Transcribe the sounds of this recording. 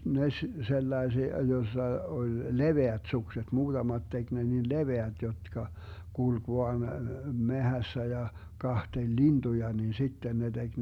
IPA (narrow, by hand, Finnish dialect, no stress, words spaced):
ne s selːɑesiɑ josːɑ olʲ leʋeæt sukset muːtɑmɑt tek ne nin leʋeæt jotkɑ kulk ʋoɑn mehæsːæ jɑ kɑhtelʲ lintujɑ nin sitːen ne d̥eɡ̊